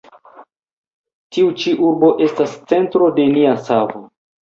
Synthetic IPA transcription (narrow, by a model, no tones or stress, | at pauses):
tiut͡ʃiʔuɾbo̞ʔe̞stast͡se̞ntɾo̞de̞niasavo